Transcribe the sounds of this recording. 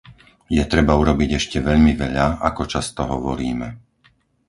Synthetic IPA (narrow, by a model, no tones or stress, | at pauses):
jɛt̪ɾɛbauɾɔbiɟɛʃcɛʋɛʎmiʋɛʎaakɔt͡ʃast̪ɔɦɔʋɔɾiːmɛ